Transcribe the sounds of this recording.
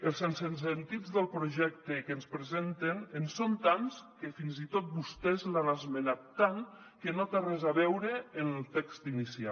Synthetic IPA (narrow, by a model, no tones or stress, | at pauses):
əlˠsensens̬ent̪id͡zðəlˠpɾuʒɛk̚t̪ekenspɾezent̪enensont̪anskefinzit̪ot̪̚bust̪ɛzlanazmenat̪ːaŋ | kenot̪arɛzaβɛwɾeːnəlˠt̪ɛkst̪inisia